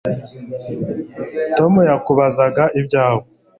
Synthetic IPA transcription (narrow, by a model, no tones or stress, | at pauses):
to̞mujakuβazaɡaʔibɟaːho